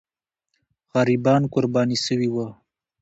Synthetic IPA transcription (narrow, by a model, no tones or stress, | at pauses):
ɣaɾibɑnkʊɾbɑnisəwiwə